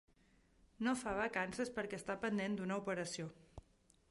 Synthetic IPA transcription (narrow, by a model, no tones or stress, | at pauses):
nofaβəkansəspəɾkɛst̪apənd̪end̪unəupəɾəsio